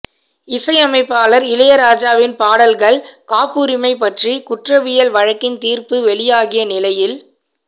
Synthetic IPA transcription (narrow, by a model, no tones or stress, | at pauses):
ɪsɐɪɐmɐɪpːaːlɐɾɪlɐjɐɾaːd͡ʒaːʋɪnpaːɽɐlɣɐɭkaːpːuːɾɪmɐɪpɐʈrikʊʈrɐʋɪjɐlʋɐɻɐkːɪnt̪iːɾpɯʋɛɭɪjaːɣɪjɐnɪlɐjɪl